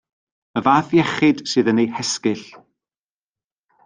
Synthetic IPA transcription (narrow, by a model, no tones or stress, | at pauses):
əvaːθjɛχɨd̥sɨːðənejhɛskɨɬ